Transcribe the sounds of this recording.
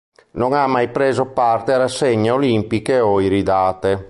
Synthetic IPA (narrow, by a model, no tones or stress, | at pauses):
noŋamːajpɾeːzopart̪eaɾasːɛɲːeolimpikeɔiɾid̪aːt̪e